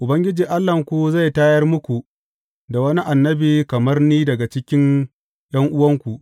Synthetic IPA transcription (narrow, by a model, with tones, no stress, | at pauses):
ʔʊ˨bɐ˦ŋɡʲɪ˦d͡ʒiː˨ʔa˦lːɐ˨ŋkʷu˨za˦˨jtaː˦jɐ˦rmʊ˦kʷu˨ | da˨wɐ˦ni˦ʔa˨nːɐ˦biː˨kɐ˨mɐ˦rniː˦dɐ˨ɡa˨t͡ʃɪ˦kʲɪ˦n | j̰ɐ˦ŋʔʊ˦wɐ˦ŋkʷu˨ʔ